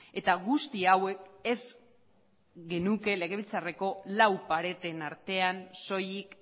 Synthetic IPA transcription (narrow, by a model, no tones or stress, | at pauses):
e̞t̪aɣust̪iawe̞ke̞z | ɡe̞nuke̞le̞ɣe̞βilt͡sare̞ko̞lawpaɾe̞t̪e̞naɾt̪e̞anso̞jik